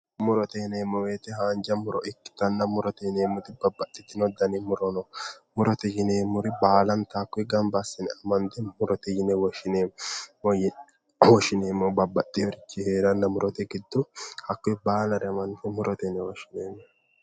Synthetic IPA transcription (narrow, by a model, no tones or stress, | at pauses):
mʊɾɔt̪ɛjɪneːmːɔweːt̪ɛhaːnd͡ʒɐmʊɾɔʔɪkːɪ̥t̪ɐnːɐmʊɾɔt̪ɛjɪneːmʊɾɪbɐbːɐt̪ʼːɪt̪ːɪnɔd̪ɐnɪmʊɾɔnɔmʊɾɔt̪ɛjɪneːmʊɾɪbaːlɐnt̪aːkːɔjɡɐmbɐsːɪnɪɐmɐnd̪ɛmʊɾɔt̪ɛjɪnɛwɔʃɪnemɔ | wɔʃɪneːmːɔbɐbɐt̪ʼːɪjɔɾɪt͡ʃːɪheːɾɐnːɐmʊɾɔt̪ɛɡɪd̪ːɔhɐkːɔjbaːnɐɾɛmɐnfɔmʊɾʔɔt̪ɛnɛwɔʃɪneːmːɔ